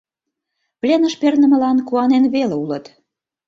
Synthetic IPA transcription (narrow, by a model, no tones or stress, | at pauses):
plʲenəʃpernə̆mə̆lɑnkuɑnenβeleulət̪